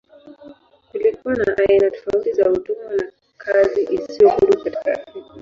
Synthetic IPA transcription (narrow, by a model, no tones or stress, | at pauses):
kulikuwanaʔainatɔ̥fautizautumana | kʰaziʔisijɔhuɾukati̥kafia